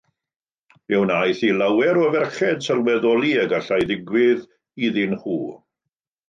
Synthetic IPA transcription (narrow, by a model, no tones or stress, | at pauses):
ɛwnajθilawɛɾɔvɛrχɛd̥sɛlˠwɛðɔlˠiəɡaɬajdɪɡwɪð | iðɪnχuː